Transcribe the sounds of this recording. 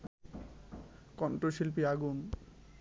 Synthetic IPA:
kɔnʈoʃilp̬iaɡun

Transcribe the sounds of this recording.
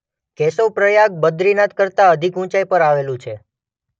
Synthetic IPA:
kɛsopɾəjak̚bəd̪ɾinat̪kəɾt̪aəd̪ʱikũt͡ʃajpəɾaʋelũt͡ʃʰe

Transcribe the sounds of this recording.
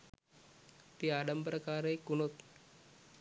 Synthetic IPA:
t̪iːaɖəmpɾəkaɾekunot̪

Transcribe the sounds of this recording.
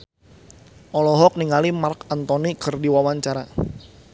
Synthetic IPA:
ʔɔlɔɦɔk̚niŋalimarkant̪ɔnikərdiwawaɲt͡ʃaɾa

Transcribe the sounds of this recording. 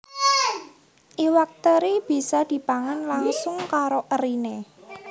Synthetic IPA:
ʔiwak̚t̪əɾib̥i̤sad̪̥i̤paŋanlaŋsʊŋkaɾoʔəɾine

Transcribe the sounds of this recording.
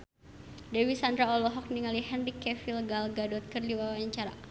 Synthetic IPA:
dɛwisand̪ɾaɔlɔɦɔk̚niŋaliɦɛnrikɛfilɡalɡadɔt̪̚kərdiwawaɲt͡ʃaɾa

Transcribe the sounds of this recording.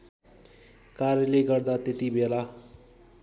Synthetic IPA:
karjʌleɡʌrd̪at̪et̪ibela

